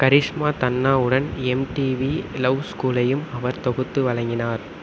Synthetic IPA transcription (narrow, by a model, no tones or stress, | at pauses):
kɐɾɪʂmaːt̪ɐnːaːɯɽɐnɛmʈiːʋilɐwskuːlɐjɯmɐʋɐɾt̪ɔɣɯt̪ːɯʋɐɻɐŋɡɪnaːɾ